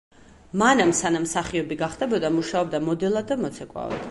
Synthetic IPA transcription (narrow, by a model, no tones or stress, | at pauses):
manamsanamsaχiɔbiɡaχd̪ɛbɔd̪amuʃaɔbd̪amɔd̪ɛlˠad̪ːamɔt̪sʰɛkʼwa̰va̰d̪̥